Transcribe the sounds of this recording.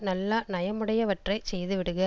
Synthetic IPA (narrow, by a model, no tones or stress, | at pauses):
nɐlːɐnɐjɐmɯɽɐjɐʋɐʈrɐɪsɛjðɯʋɪɽɯɣɐ